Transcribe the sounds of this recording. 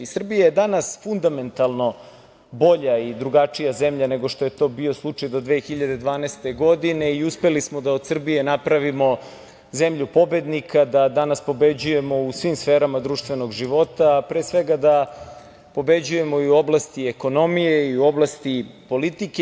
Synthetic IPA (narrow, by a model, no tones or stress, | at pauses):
isr̩bijajed̪anasfund̪ame̞nt̪alˠno̞ | bo̞ʎaid̪ɾuɡat͡ʂijaze̞mʎane̞ɡo̞ʂt̪o̞je̞t̪o̞bio̞slˠut͡ʂajd̪o̞d̪ʋexiʎad̪e̞d̪ʋaːnest̪eɡo̞d̪ine̞iuspe̞lismo̞d̪aod̪sr̩bije̞napɾaʋimo̞ | ze̞mʎupo̞be̞d̪nikʰad̪ad̪anaspo̞be̞d͡ʑuje̞mo̞usʋimsfeːɾamad̪ɾuːʃt̪ʋe̞no̞ɡʒiʋo̞t̪apɾesʋe̞ɡad̪a | po̞be̞d͡ʑuje̞mo̞iuoblast̪ieko̞no̞mijeiuo̞blˠast̪ipo̞lit̪ike